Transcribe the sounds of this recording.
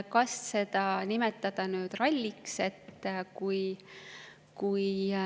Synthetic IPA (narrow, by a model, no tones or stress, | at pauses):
kɑsse̞d̪̥ɑnimet̪ːˑɑd̪̥ɑnyːd̪̥rɑlʲːikse̞t̪ːkuj | kuj